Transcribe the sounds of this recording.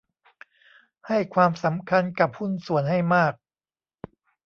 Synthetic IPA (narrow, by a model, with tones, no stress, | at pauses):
ha˥˩jkʰwaː˧msa˩˦mkʰa˧nka˨˩p̚hu˥˩nsu˨˩˦ənha˥˩jmaː˥˩k̚